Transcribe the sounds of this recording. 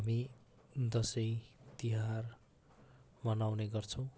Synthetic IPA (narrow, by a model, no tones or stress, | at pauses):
ʌmi | d̪ʌsʌjt̪iɦar | mʌnawneɡʌrt͡sʰʌw̃